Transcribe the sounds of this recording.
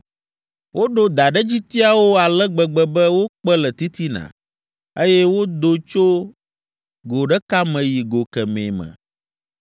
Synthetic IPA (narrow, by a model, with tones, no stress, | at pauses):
wʔo˦ɖo˦d̪a˨ɖɛ˦d͡ʑi˦t̪i˦a˦wo˦a˨lɛ˦ɡ͡bɛ˨ɡ͡bɛ˨bɛ˦wo˦k͡pɛ˦lɛ˨t̪i˦t̪i˦nã̰˨ | e˦jɛ˦wo˦d̪o˨t͡ʃo˦ | ɡo˨ɖɛ˦ka˦mɛ̃˨ji˨ɡo˨kɛ˨mḛ̃˨mɛ̰̃˨